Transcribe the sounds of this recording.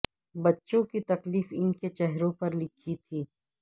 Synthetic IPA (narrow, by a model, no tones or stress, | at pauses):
bɐtːʃõkit̪ɐkliːfɪnket͡ʃɛɦɾõpɐɾlɪkʰit̪ʰiː